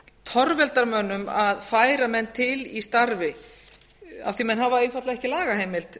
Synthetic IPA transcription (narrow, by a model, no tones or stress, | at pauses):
t̪ʰɔɾvɛlt̪aɾmœnːʏmaðfaːjɾamɛnt̪ʰɪlist̪aɾvɪ | a̰fθimɛnɦavaejnfat̪laɛhcɪlaːɣaɦeːjmɪlt̪